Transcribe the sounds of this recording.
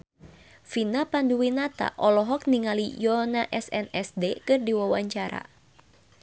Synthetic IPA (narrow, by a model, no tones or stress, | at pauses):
finapanduwinat̪a̰ʔɔlɔɦɔk̚niŋalijɔnaʔɛsɛnɛsdekɨrdiwawaɲt͡ʃaɾa̰